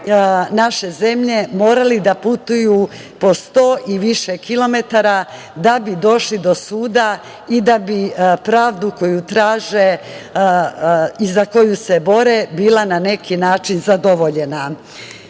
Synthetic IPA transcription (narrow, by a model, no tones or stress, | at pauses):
naʃe̞ze̞mʎe̞mo̞ːɾalid̪aput̪uju | po̞st̪o̞ːʔiʋiʃekilo̞me̞t̪aɾa | d̪abid̪o̞ʃlid̪o̞suːd̪a | id̪abipɾaːʋd̪uko̞jut̪ɾaːʒe | izako̞juse̞bo̞ɾebiːlanane̞kinaːt͡ʃinzad̪o̞ʋo̞ʎe̞na